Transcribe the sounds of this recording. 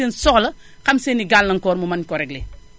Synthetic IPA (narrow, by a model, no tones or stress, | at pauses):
insɔklɐ | xɐmseniɡalnɐŋkɔːɾmumɐnkɔɾɛɡle